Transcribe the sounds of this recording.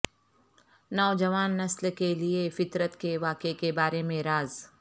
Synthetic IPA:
nɔːd͡ʒɐʋaːnːɐslkeliefɪt̪ɾət̪keʋaːkekebaːɾemẽɾaːz

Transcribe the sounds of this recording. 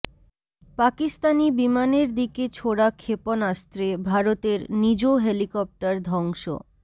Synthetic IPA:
pakist̪anibimaneɾd̪iket͡ɕʰoɽakʰeponast̪ɾebʱaɾot̪eɾnid͡ʑoɦelikɔp̚ʈaɾd̪ʱɔŋʃo̰

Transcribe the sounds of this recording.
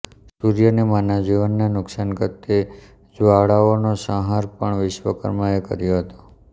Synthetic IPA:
suɾjənemanad͡ʒiʋənːanʊksankət̪ːe | d͡ʒʋaɭaonosə̃ɦaɾpəɳʋɪʃʋəkə̰ɾmaekə̰ɾjoɦət̪o̥

